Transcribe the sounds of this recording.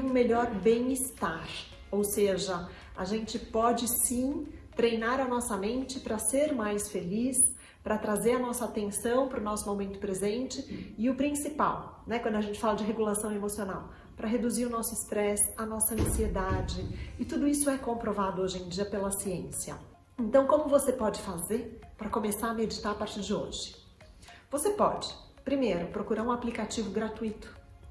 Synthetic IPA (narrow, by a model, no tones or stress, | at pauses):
ũmeʎɔɾbẽj̃ɪst̪aɾ | owseʒɐ | aʒẽnt͡ʃɪpɔd͡ʒɪsĩt̪ɾejnaɾɐnɔsɐmẽnt͡ʃɪpɾɐseɾmajsfelis | pɾɐt̪ɾazeɾɐnɔsɐaːt̪ẽsɐ̃w̃pɾʊnɔsʊmomẽnt̪ʊ̥pɾezẽnt͡ʃɪɪʊpɾĩsipa̰wnɛkwɐ̃d̪ʊɐʒẽnt͡ʃɪfalɐd͡ʒɪɦeɡulasɐ̃w̃emosionaw | pɾɐɦed̪uziɾʊnɔsʊɪst̪ɾɛsɐnɔsɐɐ̃sied̪ad͡ʒɪɪt̪ud̪ʊisʊɛkõpɾovad̪ʊoʒẽj̃d͡ʒiɐpelɐsiẽsiɐ̰ | ẽnt̪ɐ̃w̃kõmʊvosepɔd͡ʒɪfazeɾpɾɐkomesaɾɐmed͡ʒit̪aɾɐpaɾt͡ʃiɾd͡ʒɪo̰ʒɪ̥ | vosepɔd͡ʒɪpɾimejɾʊpɾokuɾaɾũaplikat͡ʃivʊɡɾat̪uit̪ʊ̥